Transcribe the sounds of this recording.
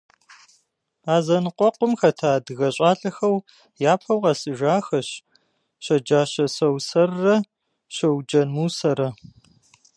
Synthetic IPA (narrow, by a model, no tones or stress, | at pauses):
aːzɐnɨqʷɔqʷʊmxɐtʰaːdɨɣɐɕʼaːɬʼɐxɐw | jaːpʰɐwqɐsɨʒaːxɐɕ | ɕɐd͡ʒaːɕɐsɐwsɐrːɐ | ɕɐwd͡ʒɐnmuːsɐɾɐ